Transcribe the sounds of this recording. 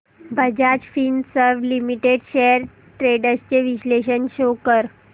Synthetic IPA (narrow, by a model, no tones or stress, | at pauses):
bʱəd͡ʑad͡ʑfinsəɾʋlimiʈeɖɕeəɾ | ʈɾeɖəst͡ɕeʋiɕleɕənɕokəɾ